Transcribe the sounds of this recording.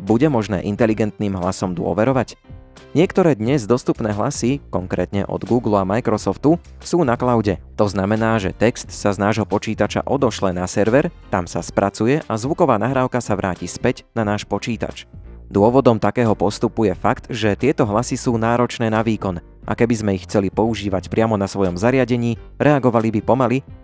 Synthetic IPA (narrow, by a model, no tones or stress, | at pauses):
buɟɛmɔʒnɛ̰ːʔint̪ɛliɡɛnt̪niːmɦlasɔmd̪ʊɔ̰ʋɛɾɔʋac | ɲɪɛkt̪ɔɾɛːd̪ɲɛzd̪ɔst̪upnɛːɦla̰sikɔŋkɾɛ̰ːt̪ɲɛ̰ʔɔ̰d̪ɡuːɡluamajkɾɔsɔft̪u | suːnaklaʊɟɛt̪ɔznamɛnaːʒɛ̰t̪ɛkst̪saznaːʒɦɔpɔt͡ʃiːt̪at͡ʃa̰ʔɔd̪ɔʃlɛnasɛɾʋɛɾt̪amsaspɾʔat͡sujɛʔazʋukɔʋaːnaɦɾaːʊkasaʋɾʔaːcispɛɟnanaːʃpɔt͡ʃiːt̪a̰t͡ʃd̪ʊɔʋɔd̪ɔmt̪akɛːɦɔpɔst̪upujɛfakt̪ʒɛt̪ɪɛt̪ɔɦlasisuːnaːɾɔt͡ʃnɛːnaʋiːkɔn | ʔa̰kɛbizmɛixːt͡sɛlipɔuʒiːʋacpɾɪamɔnasʋɔjɔmzaɾɪaɟɛɲiːɾɛaɡɔʋalibipɔmali